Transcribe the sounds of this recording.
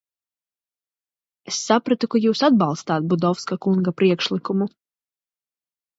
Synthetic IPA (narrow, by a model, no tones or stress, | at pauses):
esːapɾat̪ukujuːsad̪̚bɑlˠst̪aːt̪̚bud̪ɔfskakuŋɡapɾiɛkʃlˠikumu